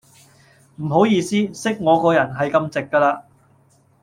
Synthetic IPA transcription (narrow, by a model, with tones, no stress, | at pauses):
m̩˨˩ɦo˨˥wjiː˧siː˥sɪ˥k̚ŋɔː˨˧kɔː˧jɐ˨˩nɦɐ˨jkɐ˧mt͡sɪ˨kːaː˧laː˧